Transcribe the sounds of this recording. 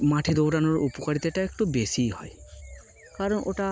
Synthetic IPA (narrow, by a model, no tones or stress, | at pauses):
matʰidowdanɔɹupɔkaɹit̪ɛtaɛktubesiɦɔj | kaɹɔnʔo̰ta